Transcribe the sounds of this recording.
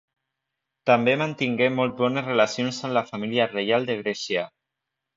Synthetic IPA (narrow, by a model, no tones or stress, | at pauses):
t̪ambemənt̪iŋɡemɔlˠt̪βɔnəzrelasionsəmlafamiliarejalˠd̪əɣ̞ɾɛsjə